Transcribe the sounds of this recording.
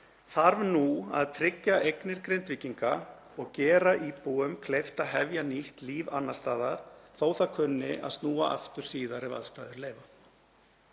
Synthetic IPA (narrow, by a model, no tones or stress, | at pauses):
θaɾvnua̰ðt̪ʰɾɪcːaʔejknɪɾ̥kɾejnt̪vɪcːiŋka | ɔɣcɛːɾaʔipuːʏmkʰlejft̪aɦɛvjaniht̪liːvanːast̪aːðaɾ̥θoːwθaðkʰvʏnːɪa̰ðst̪nuːaʔa̰ft̪ʏɾ̥siːðaɾɪva̰ðst̪aːðʏɾleːjva